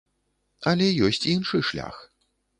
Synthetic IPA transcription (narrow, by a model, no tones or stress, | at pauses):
ɐlʲɛjɔsʲt͡sʲinʂɨʂlʲa̰x